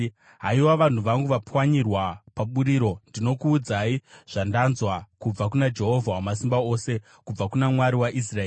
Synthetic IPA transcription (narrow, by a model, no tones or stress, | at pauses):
ɦaiwaʋan̤uʋaŋɡuʋapwaɲirwapaɓuɾiːɾo̞ndino̞kuːd͡zaiʐ̥andanzwakub͡vakunad͡ʒe̞ɦo̞vʱawamas̬imbao̞se̞ | kub͡vakunamwaɾiwaʔis̬raeː